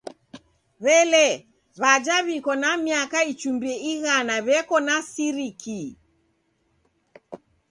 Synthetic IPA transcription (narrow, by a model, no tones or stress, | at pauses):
βɛlɛ | βad͡ʒaβikɔnamiakait͡ʃumbiɛiɣanaβɛkɔnasiɾikʰi